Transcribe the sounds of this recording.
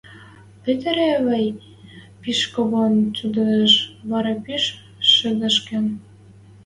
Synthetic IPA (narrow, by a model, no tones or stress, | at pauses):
pet̪eɾeβəj | piʃkoβont͡ɕud̪ə̆nə̆ʃβɑɾɑpyʃː | ə̆d̪ə̆ʃkĕn